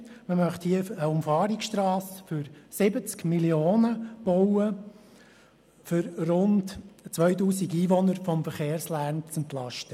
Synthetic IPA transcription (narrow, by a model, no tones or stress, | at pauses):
məmœχthiəəʊmfɑːɾiksʃtɾɑːsfʏɾsɪbət͡skmilioːnəb̥ɔwə | fʏɾrʊntt͡sʋœʏtuːsiɡiːʋɔnəɾfɔmfəɾχeːɾslænt͡sɛntlɑʃtə